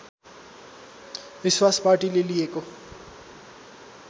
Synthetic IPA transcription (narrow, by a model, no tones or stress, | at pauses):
ʋiswaspaɾʈilelijeko